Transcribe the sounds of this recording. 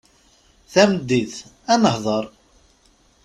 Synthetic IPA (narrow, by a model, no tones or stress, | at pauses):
θæmd̪ːiθ | ænəhðˤəɾˤ